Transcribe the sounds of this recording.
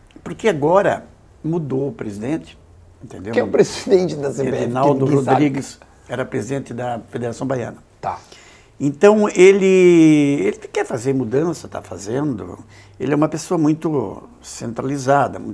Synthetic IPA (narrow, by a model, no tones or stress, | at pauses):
poɾkeaɡɔɾɐ̰ | mud̪owʊpɾezid̪ẽnt͡ʃɪ̥ | ẽnt̪ḛ̃nd̪ewkɛpɾezid̪ẽnt͡ʃɪd̪ɐseeinawd̪ʊhod̪ɾɾiɡɪs | ɛɾɐpɾezid̪ẽnt͡ʃ̪ɪd̪ɐfed̪eɾasɐ̃w̃bajɐ̰̃nɐ | t̪a | ẽnt̪ɐ̃w̃elɪ | elɪkɛɾfazeɾmud̪ɐ̃sɐt̪a̰fa̰zẽnd̪ʊ̰ | elɪɛumɐpesoɐmũj̃t̪ʊ | sẽnt̪ɾalizad̪ɐ̰m̃